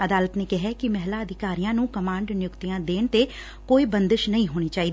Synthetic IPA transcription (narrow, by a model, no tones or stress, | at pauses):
əd̪aːlət̪neːkɪɦɛkɪmɛɦlaːəd̪ʱɪkaːɾijãːnũːkəmãːɳɖnɪjʊkt̪ijãːd̪eːɳt̪eː | koːiːbənd̪əʃnəĩːɦoːɽ̃iːt͡ʃaːiːd̪i